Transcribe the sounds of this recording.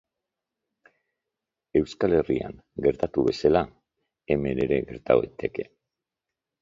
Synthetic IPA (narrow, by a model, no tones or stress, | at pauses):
e̞wskale̞ria̰ŋ | ɡe̞ɾt̪at̪uβe̞sala | e̞me̞ɾe̞ɾe̞ɣe̞ɾt̪a̰oet̪ʰe̞ke̞